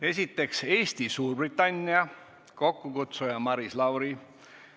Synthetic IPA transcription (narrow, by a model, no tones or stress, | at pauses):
e̞s̬ʲit̪ːˑe̞kse̞ːst̪isuːrb̥rit̪ːˑɑnʲːiɑ | ko̞kːukut̪sujɑmɑɾislɑwɾi